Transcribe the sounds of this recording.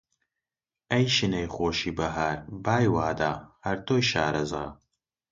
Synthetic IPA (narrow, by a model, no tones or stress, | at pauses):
ɐjʃɨnɐjχoːʃiːbɐɦaːɾbaːjwaːd̪aːhɐɾt̪oːjʃaːɾɐzɣɐ̰